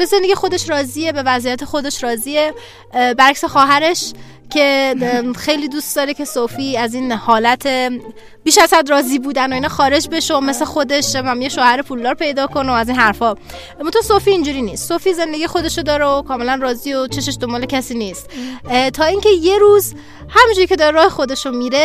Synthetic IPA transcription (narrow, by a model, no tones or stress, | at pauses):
bezend̪eɡijexod̪e̞ʃɾɒːziːebe̞væzijæt̪ʰexo̞d̪e̞ʃɾɒːziːe̞ | bæɾæksexɒːɦæɾe̞ʃ | cʰe̞ | xe̞jliːd̪uːst̪d̪ɒːɾecʰe̞sofiːæziːnhɒːlæt̪ʰe̞ | b̥iːʃæz̥hæd̪ɾɒːziːbuːd̪ænoiːnɒːxɒːɾe̞d͡ʒbe̞ʃoome̞sexod̪e̞ʃmæmjeʃoːhæɾepʰuːld̪ɒːɾpʰe̞jd̪ɒːkʰo̞noæziːnɦæɾfɒː | mont̪ʰɔːsofiːnd͡ʒuːɾiːniːst̪sofiːze̞nd̪e̞ɡijexo̞d̪e̞ʃod̪ɒːɾeokʰɒːme̞lænrɒːziːot͡ʃʰe̞ʃeʃd̪o̞mbɒːle̞cʰæsiːniːst̪t̪ʰɒːiːŋceje̞ɾuːz | hæmind͡ʒuɾicʰʲe̞d̪ɒːɾeɾɒːhexo̞d̪e̞ʃomiːɾe̞